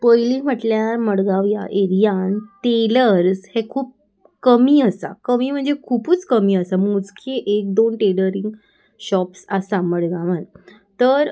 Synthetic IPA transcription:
pəjliːm̤əʈljaɾməɽɡaʋja̰ʔeɾijãnʈeləɾshekʰuːp̚ | kəmiːəsa̰kəmiːm̤əɳd͡zekʰuːpuːt͡skəmiːəsamud͡zkʰeʔek̚d̪onʈeləɾiŋɡ | ɕɔpsasaməɽɡaʋən | t̪əɾ

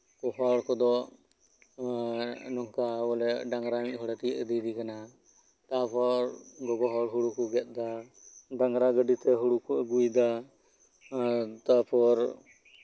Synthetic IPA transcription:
kɔɦɔɽkɔd̪ɔ | nɔŋkabɔlɛɖaŋɾamic̚ˀɦɔɽat̪iʔəd̪id̪ikana | t̪apɔɾɡɔɡɔɦɔɽɦuɽukɔɡɛt̪̚ˀd̪a | ɖaŋɾaɡəɖit̪ɛɦuɽukuəɡujd̪a | t̪apɔɾ

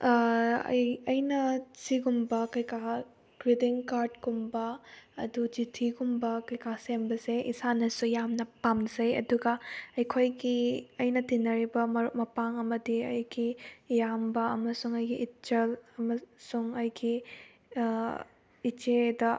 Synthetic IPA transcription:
ɐ̰jɐjnɐsiɡumbɐkɐjka | ɡ̥ɾidiŋkaɾdɡumbɐɐ̰dud͡ʒitʰiɡumbɐkɐjkasembɐzeʔisanɐsujamnɐpamzɐjɐ̰duɡɐɐjkʰojɡiɐjnɐtinːɐɾibɐmɐɾuʔ̚mɐpaŋɐmɐdiɐjɡijambɐɐmɐsuŋɐjɡiʔːt͡ʃɐlɐmɐsuŋɐjɡi | it͡ʃedɐ

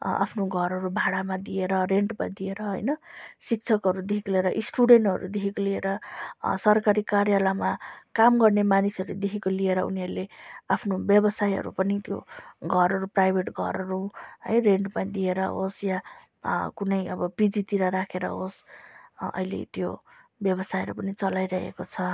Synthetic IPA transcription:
a̰pʰnoɡʱʌɾɦʌɾubʱaɽamad̪ieɾʌreɳʈpã̰ĩd̪ieɾʌɦʌ̰jnʌsik̚t͡sʰʌkɦʌɾud̪ikʰiklieɾʌʔisʈuɽeɳʈɦʌ̰ɾṵd̪ekʰikolieɾʌsʌrkaɾikaɾjalamakamɡʌrnemanisʌɾued̪ekʰekolieɾʌṵniɦʌɾuleapʰnobjʌbʌsajɦʌ̰ɾṵpʌnit̪jo̰ɡʱʌɾʌɾuprajbʱeʈɡʱʌ̰ɾʌɾuɦʌ̰jreɳʈpaĩd̪ieɾʌɦosja | kunʌjʌbʌpid͡zit̪iɾaɾakʰeɾʌ̰ɦos | ʌ̰jlḛt̪jo̰bjʌbʌsajɦʌɾupʌnit͡sʌlajɾʌɦḛkot͡sʰʌ

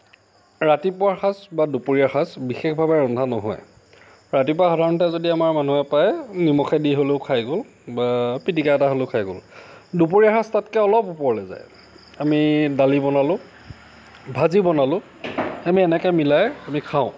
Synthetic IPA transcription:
ɹatipʊaxasbadupoɹiaxasbixexbʱabɛɹɔndʱanɔɦɔ̰ɛ̰ | ɹatipɔaxɔdʱaɹɔntɛzodiamaɹmanuɛpajnimɔxɛdiɦoleʊkʰajɡol | bapitikaɛtaɦoleʊkʰajɡo̰l | dup̬oɹiaxastatkɛɔlɔpupɔɹlɛza̰j | amidalibɔnalʊ̃ | bʱazibɔnalʊ̃ | amiɛnɛkɛmilajamikʰaʊ̃

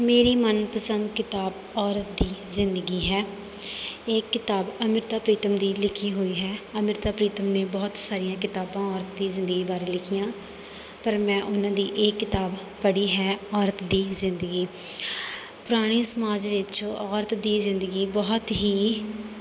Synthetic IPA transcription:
meːɾiːmənpəsə̃nd̪kɪt̪aːb | ɔːɾət̪̚d̪iːzɪnd̪əɡiːɦɛː | eːkːɪt̪aːbəmɪɾt̪aːpɾiːt̪əmd̪iːlɪkʰiːɦoːiːɦɛːəmɪɾt̪aːpɾiːt̪əmneːbɔːt̪saːɾijãːkɪt̪aːbãːɔːɾət̪d̪iːzɪ̃nd̪əɡiːbaːɾeːlɪkʰijãː | pəɾmɛ̃ːʔʊnãːd̪iːʔeːkːɪt̪aːb | pəɽiːɦɛːɔːɾət̪d̪iːzɪnd̪əɡiː | pʊɾaːɽ̃iːsəmaːd͡ʒʋɪt͡ʃɔːɾt̪d̪iːzɪ̃nd̪əɡiːbɔːt̪ɦiː

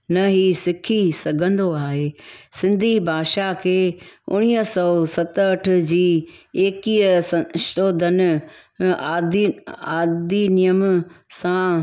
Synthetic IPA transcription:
nɐɦisɪkʰisɐɡʱə̃nd̪oaːɦeːsɪ̃nd̪ʱibʱaːʃakʰeːʊ̰ɽ̃iːəsɔsɐt̪ːʈʰʊ̆d͡ʑiːeːkiəsɐ̃ʃt̪oːd̪ʱənɪ̆ | aːd̪iaːd̪inijəmsã

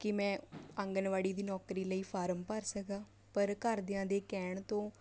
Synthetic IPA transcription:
kɪmɛ̃ːə̃ŋɡənʋaːɽiːd̪iːnɔːkɾiːləiːpʰaːɾəmpəɾsəkaː | pəɾkəɾd̪ɪãːd̪eːkɛːɳt̪õː

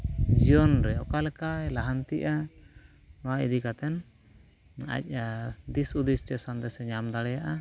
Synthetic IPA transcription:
d͡ʒijɔnɾɛɔkalɛkajlaɦant̪iʔa | nɔwaḭd̪ikat̪ɛn | a̰c̚ˀad̪isud̪ist͡ʃɛsand̪ɛsɛɲamd̪aɽɛjaʔa

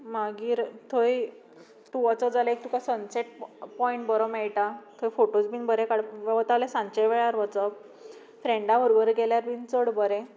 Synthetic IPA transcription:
maɡiːɾt̪ʰoj | t̪uʋət͡səd͡zalek̚t̪ũkasənseʈ̚pɔĩɳʈ̚bəɾomɛɭʈat̪ʰojfoʈot͡sbiːnbəɾekaɽʋəʋət̪alesãnt͡ɕeʋeɭjaɾʋət͡sə | fɾeɳɖaʋəɾbəɾəɡɛljaɾbint͡səɽbəɾɛ

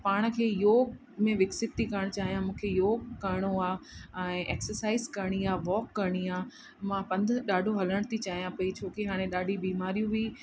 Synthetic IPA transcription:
paːɽ̃̆kʰeːjoːɡ | mẽʋɪksɪp̚t̪ikɐɾəɽ̃t͡ɕaːɦijãmũːkʰejoːɡkɐɾɽ̃oaːɛ̃ːʔeːksəɾsaːɪzkɐɾɽ̃iaːʋɔːkːɐɾɽ̃iaː | mãpɐ̃nd̪ʱɗaːɖʱoɦɐləɽ̃t̪ʰit͡ɕaːɦijãpɐit͡ɕʰoːkeɦaːɽ̃ẽɗaːɖʱibiːmaːɾijũʋiː

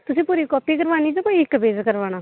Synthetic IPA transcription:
t̪ʊsĩːpuːɾiːkɔːpieɡəɾʋaːniːd͡ʒoːkoːiɪkːbeːd͡ʒkəɾʋaːñaː

